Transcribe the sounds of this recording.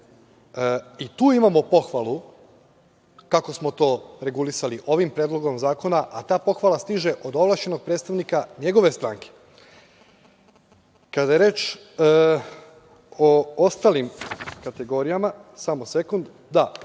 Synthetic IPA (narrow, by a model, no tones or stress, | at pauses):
it̪uːimamo̞po̞xʋalu | kako̞smo̞t̪o̞ːɾe̞ɡulisaliʔo̞ʋimpɾeːd̪lˠo̞ɡo̞mzaːko̞naʔat̪aːpo̞xʋalast̪iʒe̞ʔo̞d̪oʋlˠaʃt͡ʃe̞no̞ɡ̚pɾeːt̪st̪aʋnikaɲe̞ɡo̞ʋe̞st̪ɾaŋke̥ | kad̪ajeɾe̞ːt͡ʃː | oost̪aːlimkat̪e̞ɡo̞ɾijamasamose̞kund̪ | d̪a